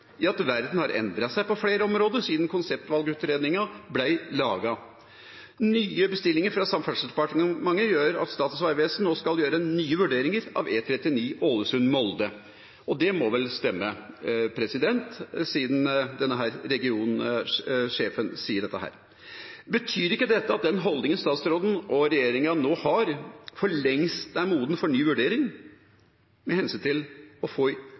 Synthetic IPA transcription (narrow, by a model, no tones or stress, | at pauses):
ɑt̪ʋæɾd̪nhɑɾɛ̰nd̪ɾɑsæɪpɔfɽeːɾəɔmɾoːd̪əʂiːd̪nkʰʊnsɛp̚t̪ʋɑlɡʉːt̪ɾeːd̪nɪŋɑblæɪlɑːɡɑ | nyːəbəst̪ɪlːɪŋəɾfɾɑsɑmfɑlsəd̪ɛpɑʈmɑŋːəjøːɾɑ̰t̪st̪ɑːt̪sʋɑɪʋeːsn̩noːskɑljøːɾənyːəʋʉɖeːɾɪŋəɾɑ̰ʋeːt̪ʰɾɛt̪ːɪniːʔoːləsʉnmɔld̪ə | ɔd̪ɛmɔʋɛlst̪ɛmːəpʰɾɛsɪd̪ɛnt̪siːd̪n̩d̪ɛnːəɦæːɾɾɛɡɪuːn | ʂeːfənsiːəɖɛt̪ːəɦæ̰ːɾ | bət̪ʰyːɾɪkːəd̪ɛt̪ːəɑt̪̚d̪ɛnɦɔld̪ɪŋənst̪ɑːt̪sɾoːd̪n̩ʔɔɾɛjeːɾɪŋɑnoːhɑɾfɔɭɛŋst̪d̪æɪmuːd̪n̩fɔɳyːʋʉɖeːɾɪŋ | mɛhɛnsyːnt̪ʰɪlɔfoː